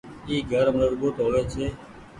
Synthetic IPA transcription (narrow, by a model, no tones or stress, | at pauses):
iːɡʱəɾmələɽɡoːt̪oːleːt͡ʃʰeː